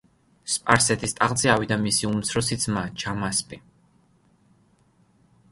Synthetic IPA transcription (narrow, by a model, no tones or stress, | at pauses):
spʼaɾsɛt̪ʰist̪ʼaʁd̪zʼiawid̪amisiumt̪sʰɾɔsit̪sʰmat͡ʃʰamaspʼi